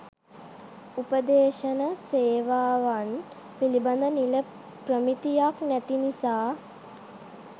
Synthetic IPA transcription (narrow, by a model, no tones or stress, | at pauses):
upəd̪eːʃənəseːʋaːʋan | piliband̪ənilə | prəmit̪ijaknæt̪inisaː